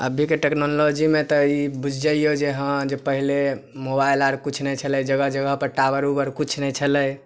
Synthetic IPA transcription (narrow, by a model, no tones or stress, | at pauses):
ə̰bʱikeʈeknolod͡ʒimet̪ɔibud͡ʒʱd͡ʒəijod͡ʒeɦə̃d͡ʒepəɦilemobajlaɾkut͡ʃʰnɛjt͡ʃʰəlɛd͡ʒəɡəɦd͡ʒəɡəɦpəɾʈabəɾubəɾkut͡ʃʰnɛjt͡ʃʰələj